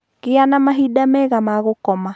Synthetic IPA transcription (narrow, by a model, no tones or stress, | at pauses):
kɪanamaɦidamɛɣamaɣokɔma